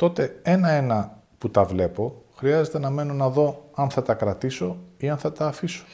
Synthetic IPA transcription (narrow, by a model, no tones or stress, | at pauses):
t̪o̞t̪e̞e̞nɐe̞nɐ | put̪ɐvle̞po̞xɾiɐze̞t̪e̞nɐme̞nonɐðo̞ɐnθɐt̪ɐkɾɐt̪iso̞iɐnθɐt̪ɐːfiso̥